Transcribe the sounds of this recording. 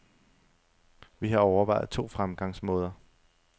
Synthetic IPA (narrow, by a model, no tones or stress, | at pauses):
ʋiɦɑ̈ɒʊɐʋɑ̈ɪ̰ð̩ˠt͡sʰo̝̰ːfʁamɡ̥ɑ̈ŋsmɔ̽ːð̞ˠɐ